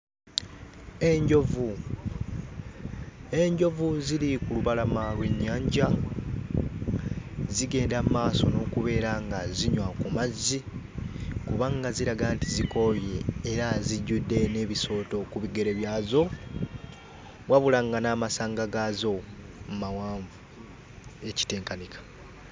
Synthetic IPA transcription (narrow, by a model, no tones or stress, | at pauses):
e̞ɲɟovu | e̞ɲɟo̞vuzilikuluβalamalwe̞ɲːaːɲɟa | ziɡe̞ːndamaːso̞no̞kuβe̞ːɾaŋɡaziɲwakumazːi | kuβaŋɡaziɾaɡantiziko̞je̞ːɾaziɟːudːe̞ne̞βiso̞ːto̞kuβiɡe̞ɾe̞βjaːzo̞ | waβulaŋɡanaːmasaːŋɡaɡazo̞ | mmawaːɱvu | e̞ci̥te̞ːŋkanikʰḁ